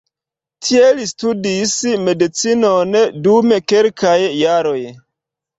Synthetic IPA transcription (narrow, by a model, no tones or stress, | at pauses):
tʰielistudisme̞dit͡sinondume̞kelkajːaɾo̞j